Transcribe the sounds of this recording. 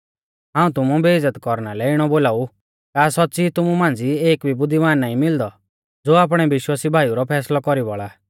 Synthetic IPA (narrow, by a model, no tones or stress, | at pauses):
ɦãːũt̪ʊmũbed͡zət̪kɔɾnalɛɪɽ̃ɔboːlaːu | kaːsɔtːsit̪ʊmumãːnd͡zieːkbʱibʊd̪ːimaːnːaːĩmɪld̪ɔ | d͡zoːaːp̬ɽ̃ɛbɪʃwaːsibʱaːijuɾɔpʰɛːslɔkɔɾibɔɭa